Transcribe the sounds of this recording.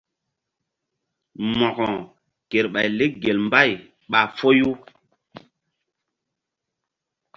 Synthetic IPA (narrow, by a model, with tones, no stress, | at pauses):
mɔ˨kɔ˨ | ke˨ɾɓa˨jle˦ɡe˨lmba˦˨j | ɓa˨fo˦ju˦